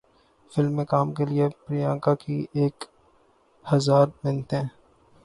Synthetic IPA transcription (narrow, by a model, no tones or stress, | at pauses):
fɪlmːẽkaːmkeliepɾijãːkakieːk | hɐzaːɾmɪ̃nt̪ɦɛ̃ː